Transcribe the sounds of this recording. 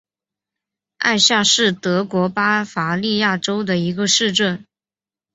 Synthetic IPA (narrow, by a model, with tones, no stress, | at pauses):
a̰˥˧ɪɕja˥˧ʂɻ̩˥˩t̪ɤ˧˥kwɔ˧˥pa˥fa˧˥li˥˧ja˥˩ʈ͡ʂo˥ʊd̪ə˨i˧˥ɡə˧ʂɻ̩˥˧ʈ͡ʂə˥˩n